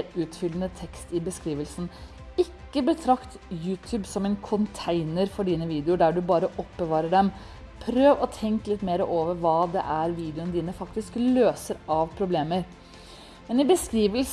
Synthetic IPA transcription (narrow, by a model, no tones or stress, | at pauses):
ɾʉːt̪fʏlənət̪ʰɛkst̪ɪbəskɾiːʋəlsn̩ | ɪkːəbət̪ʰɾɑkt̪jʉːt̪ʰʉːbsɔmɛɪnkʰʊnt̪ʰæɪnəɾfɔɖiːnəʋiːd̪ɛʊɖæɖʉbɑːɾəʔɔpːbəʋɑːɾəɖɛm | pʰɾøːʋɔt̪ʰɛŋklɪt̪ːmeːɾəʔoːʋəɾʋɑːd̪ɛ̰ʔæɾʋiːd̪ɛɪʊnd̪iːnəfɑkt̪ɪskløːsəɾɑʋpʰɾʊbleːməɾ | mɛnɪbəskɾiːʋəls